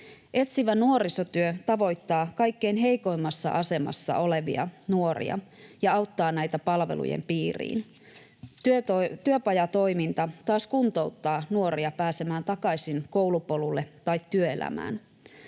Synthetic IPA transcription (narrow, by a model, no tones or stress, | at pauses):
ʔe̞t̪siʋænuo̞ɾiso̞t̪yøt̪ɑʋo̞jt̪ːɑːkɑjkːe̞inɦe̞jko̞imːɑsːɑ̰ʔɑse̞mɑ̰sːɑ̰ʔo̞le̞ʋḭɑ̰nuo̞ɾḭɑ̰jɑɑwt̪ːɑːnæjt̪æpɑlʋe̞̰lṵjḛmpiːrḭːn | t̪yøt̪t̪yøpɑjɑt̪o̞jmint̪ɑt̪ɑːskunt̪o̞wt̪ːɑːnuo̞ɾiɑpæːse̞mæːnt̪ɑkɑjsinko̞wlupo̞lulːet̪ɑjt̪ːyøe̞̰læ̰mæ̰ːn